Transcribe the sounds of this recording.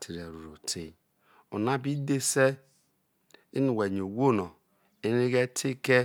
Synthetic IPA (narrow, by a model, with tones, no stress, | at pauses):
tʰi˨ɾe˨ɾu˨ɾo˨tʰi˦ | u˨na˦bi˦de˦se˦ | i˦nu˨we˨ɲ˨o˨wo˦˨no˨ | i˦ni˦ɡe˦tʰi˦ke˦